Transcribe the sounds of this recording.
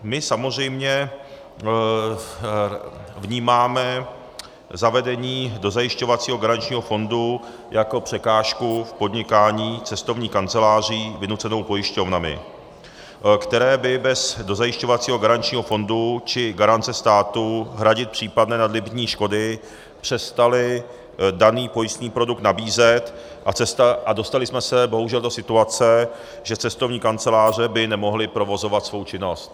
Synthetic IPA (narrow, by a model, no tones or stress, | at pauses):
mɪsamozr̝ɛjmɲɛ | vɲiːmaːmɛ | zavɛdɛɲiːdo̞zajɪʃco̞vat͡siːɦo̞ɡaɾant͡ʃɲiːɦo̞fo̞ndu | jʔako̞pr̝̥ɛkaːʃkufpo̞dɲɪkaːɲiːt͡sɛst̪o̞vɲiːkant͡sɛlaːr̝iːvɪnut͡sɛno̞wpo̞jɪʃco̞vnamɪ̰ | kt̪ɛɾɛːbɪbɛzdozajɪʃcovat͡siːɦo̞ɡaɾant͡ʃɲiːɦo̞fo̞ndut͡ʃɪɡaɾant̪t͡sɛst̪aːt̪uɦɾaɟɪt̪̚pr̝̥iːpadnɛːnadlɪbɲiːʃko̞dɪ | pr̝̥ɛst̪alɪ | daniːpo̞jɪst̪ɲiːpɾo̞duk̚t̪nabiːzɛt̪ | ʔat͡sɛst̪aʔado̞st̪alɪsmɛsɛbo̞ɦuʒɛldosɪt̪uat͡sɛ | ʒɛt͡sɛst̪ovɲiːkant͡sɛlaːr̝ɛbɪnɛmo̞ɦlɪpɾo̞vo̞zo̞vat̪svo̞wt͡ʃɪno̞st̪̚